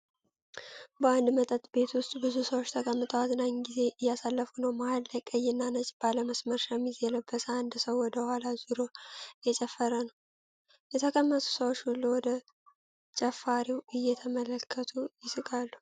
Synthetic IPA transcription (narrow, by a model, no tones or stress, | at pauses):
bəand̪mət̪ʼət̪ʼbe̞t̪wʊst̪ʼbɨzusəwot͡ʃːt̪ʰəkʼəmːɨt̪ʼəwazɨnaɲɡize̞ʔɨjːasalːəfunəwmahalːəkʼəjɪnːanət͡ʃʼb̥aləməsməɾʃamizɛləbəsəand̪səwːɔd̪əhʷalazɨɾo̞jɛt͡ʃʼɛfːəɾənəw | jɛt̪ʰəkʰəmːət̪ʰu̥səwot͡ʃːhulːuwɔd̪ə | t͡ʃʼɛfːaɾiwɨjːɛt̪ʰəmələkʰːət̪ʰujɪsɨkʼalːu